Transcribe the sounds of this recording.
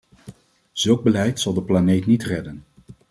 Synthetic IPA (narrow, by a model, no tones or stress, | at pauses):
z̥ɵlˠɡ̚bəlɛjtsɑlˠdəplanejtnitrɛdən